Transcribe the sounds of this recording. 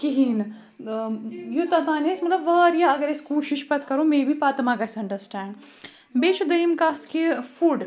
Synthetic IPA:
kiɦin | jut̪ɐt̪aːnesmɐt̪lɐbʋɐːɾjaɐɡɐɾeskuːʃiʃpɐt̪ʰkɐɾõmeːbʱipaːt̪ɐmaːkɐsɐ̃ɳɖɐɾsʈæːɳɖ | beːʃud̪ɐimkaːt̪ʰkifuːɖ

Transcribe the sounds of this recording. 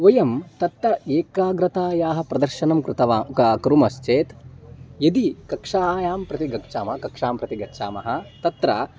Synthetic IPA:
ʋɐjɐmt̪ɐt̪ːɐeːkaːɡɾɐt̪aːjaːɦɐ̆pɾɐd̪ɐɾʃɐnɐmkɾɪt̪ɐʋaːkɾumɐst͡ʃeːt̪jɐd̪ikɐkʂaːjaːmpɾɐt̪iɡɐkʂaːmɐɐkɐkʂaːmpɾɐt̪iɡɐkʃa̰ːmɐ̰ɦɐ̆t̪ɐt̪ɾɐ̰

